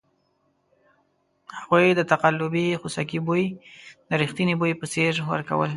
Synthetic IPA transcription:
haɣujd̪ət̪aqalːʊbixusakibojd̪əɾixt̪inibojpəseʐwə̰ɾka̰wə̰l

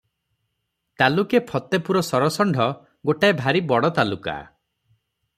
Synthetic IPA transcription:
t̪alukepʰɔt̪epuɾɔsɔɾɔsɔɳɖʱɔ | ɡoʈaebʱaɾibɔɽɔt̪aluka̰

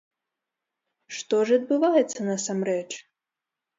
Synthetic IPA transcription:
ʂt̪ɔʐɐd̪̚bɨvajɛt̪sːɐnɐsamɾɛt͡ʂ

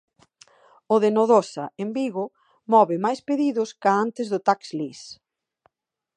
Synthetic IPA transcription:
ʊðenoðosɐembiɣʊ | mɔβɪmajspeðiðʊskaant̪ɪzðʊt̪akslis

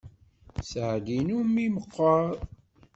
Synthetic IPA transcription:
sʕd̪inumiməqːəɾˤ

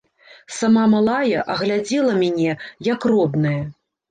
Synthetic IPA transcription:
samamalˠajɐʔɐɣlʲad͡zʲɛlˠɐmʲanʲɛjɐkrɔb̪nɐjɐ

